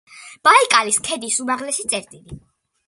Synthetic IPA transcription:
b̥aikʼaliskʰɛd̪isumaʁlɛsit̪sʼɛɾt̪ʼili

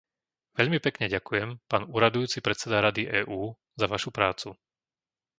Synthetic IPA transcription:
ʋɛʎmipɛkɲɛɟakujɛmpaːnuːɾad̪ujuːt͡sipɾɛt̪t͡sɛd̪aɾad̪iʔɛːʔuː | zaʋaʃupɾaːt͡su

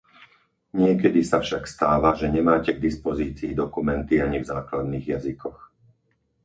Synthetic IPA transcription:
ɲɪɛkɛd̪isafʃakst̪aːʋaʒɛɲɛmaːcɛɡd̪ispɔziːt͡siːd̪ɔkumɛnt̪iaɲivzaːklad̪niːɣjazikɔx

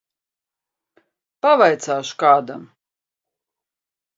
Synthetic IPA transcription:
pavajt̪saːʃu̥kaːd̪a̰m

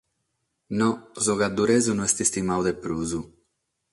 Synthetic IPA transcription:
nɔzɔɣad̪ːuɾɛːzunuɛst̪ist̪imawd̪ɛpːɾuːzu

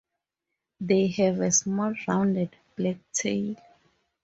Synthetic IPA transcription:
ðehɛvɛsmɔlɹãwndɛd | b̥lɛk̚tʰejll

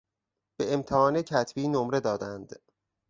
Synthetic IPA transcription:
b̥e̞emt̪ʰehɒːnecʰæt̪ʰbiːnomɾe̞d̪ɒːd̪ænd̪̥

